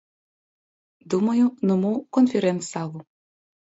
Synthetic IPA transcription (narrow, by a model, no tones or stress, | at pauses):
d̪umɐjunɔmukɔnfʲɪɾɛnt̪salˠu